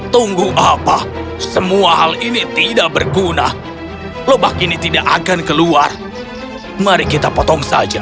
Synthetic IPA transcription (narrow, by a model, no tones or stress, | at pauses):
t̪uŋɡuʔapa | səmuaɦalinit̪idaʔ̚bərɡuna | lobakinit̪idaʔaɡankəluar | maɾikit̪apot̪ɔŋsa̰d͡ʒa